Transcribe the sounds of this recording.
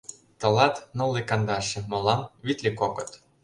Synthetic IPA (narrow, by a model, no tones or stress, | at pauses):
t̪ɤ̆lˠɑt̪nɤ̆lˠːekɑnd̪ɑɕɘ̆mŏlˠɑmβit̪ʲlʲikokɤ̆t̪